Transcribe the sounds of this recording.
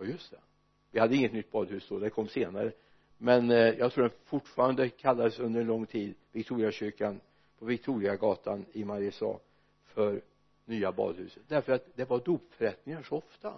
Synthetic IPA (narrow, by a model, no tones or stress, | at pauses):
jɑjɵst̪ɛ | vɪhad̪ːəɪŋːət̪nʏt̪̚ːbɑːd̪hʉ̟ːsd̪oːd̪ɛkʰɔmːseːnaɾə | mɛnjɑɡt̪ʰɾuːdɛnfʊʈːfɑːɾand̪əkʰalːad̪əsɵnd̪əɾɛnlɔŋːt̪ʰiːd̪vɪkt̪ʰuːɾɪaɕʏɾkan | pʰɔvɪk̚t̪ʰuːɾɪaɡɑːt̪ʰanɪmaɾɪəsɑ̰ː | fœɾ | nyːabɑ̰ːd̪hʉ̟ːsə̥t̪̚d̪æɾfœɾat̪d̪ɛvaɖ̪uːpfœɾɛt̪nɪŋaʂɔɔft̪a̰